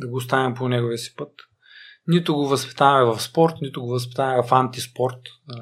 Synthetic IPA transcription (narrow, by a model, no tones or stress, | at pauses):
d̪ɐɡoːst̪avɛmponɛɡoviəsi̥pɤt̪ | nit̪ʊɡovɐspi̥t̪avɐmɛvɐfspɔɾt̪nit̪ʊɡovɐs̬pi̥t̪aɐmɛvɐfant̪ispɔɾt̪